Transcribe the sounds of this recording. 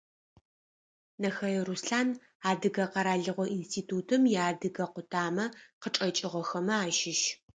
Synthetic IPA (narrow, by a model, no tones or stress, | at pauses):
nɐxɐɐrusɬaːn | aːdɨɡɐqɐɾaːɮɨʁʷɔʔinstʰiːtʰuːtʰɨmjaːdɨɡɐqʷʊtʰaːmɐqəʈ͡ʂʼɐt͡ʃʼɪʁʷɔxɐmɐaːʃɪʃ